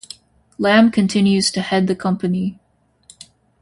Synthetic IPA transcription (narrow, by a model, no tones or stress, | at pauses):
læ̃mkʰɨ̃ntʰɪ̃njʉz̥tʰɨhɛd̪̚ðɨkʰʌ̃mpɨni